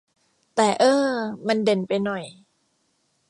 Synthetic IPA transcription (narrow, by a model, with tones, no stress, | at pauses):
t̪ɛː˨˩ʔɤː˧ma˧nde˨˩npa˧jnɔ˨˩j